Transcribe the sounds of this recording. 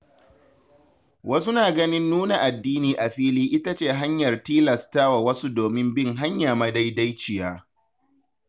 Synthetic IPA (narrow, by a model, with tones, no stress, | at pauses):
wɐ˦su˦naː˨ɡɐ˦nɪ˦nːuː˦na˨ʔa˨dːiː˦niː˨ʔa˨ɸiː˦liː˦ʔɪ˦ta˦t͡ʃeː˦˨ɦa˦ɲjɐ˨rtiː˦lɐ˨staː˦wa˨wɐ˦su˦doː˨mɪ˦mbɪ˦˨ŋɦa˦ɲjaː˨ma˦da˦jda˦jt͡ʃɪ˨jaː˦